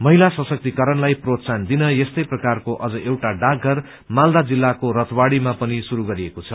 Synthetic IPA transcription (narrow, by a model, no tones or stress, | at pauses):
mʌɦilasʌsʌk̚t̪ikʌɾʌnlajprot̪sand̪inʌjest̪ʌjprʌkarkoʔʌd͡zʌʔewʈaɖaɡʱːʌr | mald̪ad͡zilːakoɾʌt̪ʰwaɽimapʌnisuɾuɡʌɾiekot͡sʰʌ